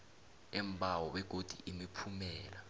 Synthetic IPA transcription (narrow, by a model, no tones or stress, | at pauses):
ɛmbʱawɔwɛɡ̥ʱod̥ʱiʔimipʰumɛːla